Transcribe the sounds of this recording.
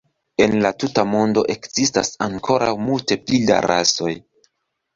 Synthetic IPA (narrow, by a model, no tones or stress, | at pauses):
e̞nlatutamo̞ndo̞ʔe̞kz̥ista̰saŋkʰo̞ɾawmulte̞plida̰ɾa̰so̞j